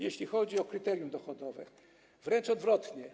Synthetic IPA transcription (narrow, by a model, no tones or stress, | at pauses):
jeɕlʲixɔd͡ʑiɔkɾɘt̪ɛɾjumd̪ɔxɔd̪ɔvɛ̰ | vɾɛnt͡ʂɔd̪vɾɔt̪ɲɛ